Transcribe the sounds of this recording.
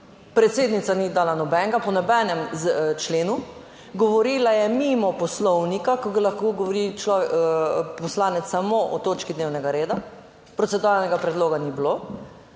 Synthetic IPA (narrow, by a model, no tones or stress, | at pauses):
pɾɛt̪seːd̪nit̪sanid̪aːlanɔbɛŋɡapɔnɔbɛnɛmt͡ʃleːnu | ɡɔʋɔɾiːlajɛmimɔpɔslɔwnikakɔɡalaxkoɡɔʋɔɾit͡ʃlɔʋ | pɔslaːnɛt̪ssːamoʔɔt̪oːt͡ʃkid̪newnɛɡaɾeːd̪a | pɾɔt̪ɛd̪ualnɛɡapɾɛd̪loːɡaniblo